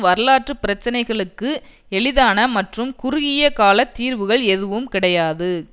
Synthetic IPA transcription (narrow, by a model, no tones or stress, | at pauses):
ʋɐɾɐlaːʈrɯpɪɾɐt͡ʃːɐnɐɪɣɐɭɯkːɯ | ɛɭɪðaːnɐmɐʈrɯmkʊɾɪɣɪjɐkaːlɐt̪ːiːɾʋɯɣɐɭɛðɯʋɯmkɪɽɐjaːðɯ